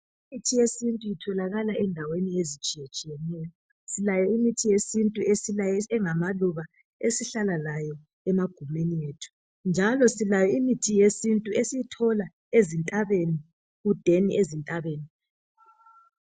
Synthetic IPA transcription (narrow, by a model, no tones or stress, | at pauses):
imitʰijesintʼuitʰɔlaɣalaʔɛndʱaweniezit͡ʃʼijet͡ʃʼijɛnɛːjɔ | silajɔimitʰijesintʼuesilajɛɛŋamaluβa | esiɬalalajɔ | ɛmaɡ̥ʱumenijeːtʰu̥ | nd͡ʒʱalɔsilajɔimitʰijesintʼuesijitʰɔla | ezintʼaβeni | ɣud̥ʱeniʔezintʼaβeːni